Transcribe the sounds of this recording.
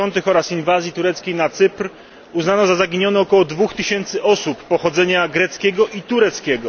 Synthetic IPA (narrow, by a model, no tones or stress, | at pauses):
ɔnt̪ɘxɔɾasinvazʲjit̪uɾɛt̪skʲejnat̪sɘpɾ | uznanɔzazaɡʲiɲɔnɛːkɔwɔd̪vuxt̪ɘɕɛnt̪sɘʔɔsupːɔxɔd̪zɛɲaɡɾɛt̪skʲɛɡɔʔit̪uɾɛt̪skʲɛɡɔ